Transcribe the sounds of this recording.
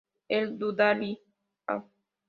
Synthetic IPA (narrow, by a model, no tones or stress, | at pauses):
eld̪ud̪ali | a̰